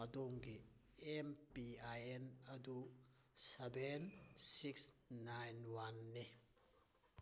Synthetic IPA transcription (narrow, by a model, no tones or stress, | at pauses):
ɐdoŋɡi | ɛmpiajenɐdu | sebensiksnajnwanːi